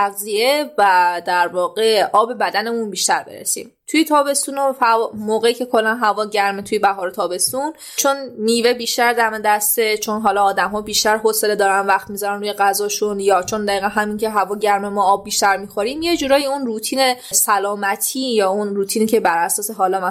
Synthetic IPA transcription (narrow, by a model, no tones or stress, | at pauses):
æɣzie̞væd̪æɾvɒːɣe̞ʔɒːbe̞bæd̪æne̞munbiːʃt̪æɾbeɾḛsḭːmt̪ʰujet̪ʰɒːbe̞st̪uːnofæmoːɣeiːcʰe̞kʰo̞lːænɦævɒːɟæɾmet̪ʰujebæɦɒːɾet̪ʰɒːbe̞st̪un | t͡ʃʰo̞nːiːve̞biːʃt̪æɾd̪æmed̪æst̪e̞t͡ʃʰo̞nɦɒːlɒːd̪æmɦɒːbiːʃt̪æɾɦosele̞d̪ɒːɾænvæxt̪mizɒɾænɾuːjeɣæzɒːʃunjɒːt͡ʃʰo̞nd̪æiːɣænɦæmincʰe̞ɦævɒːɟæɾmemɒːbːiːʃt̪æɾmixo̞ɾiːmje̞d͡ʒuːɾɒːjiunruːt̪ʰiːne̞sælɒːmæt̪ʰiːjɒːunɾuːt̪ʰiːniːcʰebæɾʔæsɒːse̞ɦɒːlɒmæ